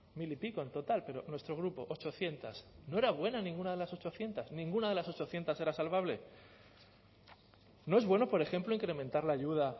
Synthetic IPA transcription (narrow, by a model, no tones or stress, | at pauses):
milipikoent̪o̞t̪alpe̞ɾonwe̞st̪ɾo̞ɣ̞ɾupo̞ʔot͡ʃo̞θje̞nt̪asno̞e̞ɾaβ̞we̞nanĩŋɡunaðe̞laso̞t͡ʃo̞θje̞nt̪asnĩŋɡunaðe̞laso̞t͡ʃo̞θje̞nt̪ase̞ɾasalβ̞aβle̞ | no̞e̞zβwe̞no̞po̞ɾe̞xe̞mplo̞iŋkɾe̞mẽ̞nt̪aɾlaʝuða